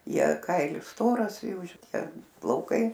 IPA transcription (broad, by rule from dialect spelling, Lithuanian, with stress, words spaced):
ˈjiɛ ˈkɐɪlʲɪs ˈstoːrɐs ˈjuː ʃʲɪˈtʲiɛ plˠɐʊˈkɐɪ